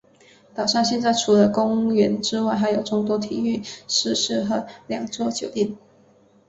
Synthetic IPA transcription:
t̪ɑ˨˩ʊʂɑ˥˧ŋɕ̬jɛ˥˧nt͡sa˥˩ɪʈ͡ʂʰu˨˩lə˧˦kʊ˥ŋɥɛ˧˥nʈ͡ʂɻ̩˥wa˥˩ɪxa˧˥ɪjo˨˩ʊʈ͡ʂʊ˥˩ŋt̪wɔ˥t̪ʰi˨˩y˥˩ʂɻ̩˥˧ʂɻ̩˥˩xɤ˧˥ljɑ˨˩ŋʈ͡ʂwɔ˥t͡ɕjo˨˩ʊt̪ji˥˩n

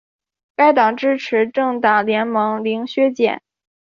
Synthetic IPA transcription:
ka˥˩ɪt̪ɑ˨˩ŋʈ͡ʂɻ̩˥ʈ͡ʂʰɻ̩˧˥ʈ͡ʂɤ˥˧ŋt̪a˨˩ljɛ˧˥nmɑ˧˥ŋli˧˥ŋɕɥɛ˥t͡ɕjɛ̰˨˩˦n

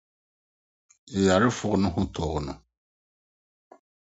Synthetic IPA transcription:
ɪ˨ja˨ɾɪ˦fʊ˨ɣʊ˦nʊ˦ɦʊ̃˦tɔː˨ɣʊ˨nʊ˨

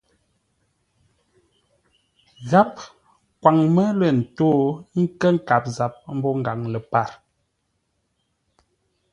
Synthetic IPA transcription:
ɣa˦p̚ | kwa˨ŋmə˦lə˨n̩˨toː˦ŋ̩˦kə˦ŋ̩˦ka˨p̚za˨p̚m̩˦bɔ˦ŋ̩˨ɡa˨ŋlə˨pa˦˨ɾ

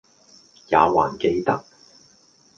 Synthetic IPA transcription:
ja̰ː˨˧wa̰ː˨˩nke˧jt̪ɐ˥k̚

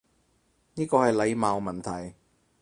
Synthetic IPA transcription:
niː˥kɔː˧hɐ˨jle˨˧jmaː˨˧wmɐ˨˩nt̪ʰɐ˨˩j

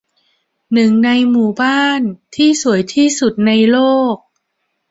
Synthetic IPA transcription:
nɯ˨˩ŋna˧jmuː˨˩baː˥˩nt̪ʰiː˥˩su˩˦əjt̪ʰiː˥˩su˨˩t̪̚na˧jloː˥˩k̚

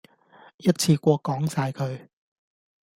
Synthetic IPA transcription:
jɐ˥t̚t͡sʰiː˧kʷɔː˧kːɔː˨˥ŋsaː˧jkʰɵ˨ɥ

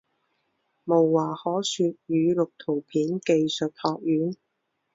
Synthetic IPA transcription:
mo˨˩wːaː˨˩hɔː˨˥syː˨˧t̚jyː˨˧lʊ˨k̚t̪ʰo˨˩wpʰiː˨˥nke˨jsɵ˨t̚hɔː˨˧k̚jyː˨˥n

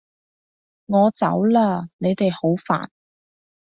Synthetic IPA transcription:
ŋɔː˨˧t͡sɐ̰˨˥wlaː˧ne˨˧jt̪e˨jho˨˥wfa̰ː˨˩n

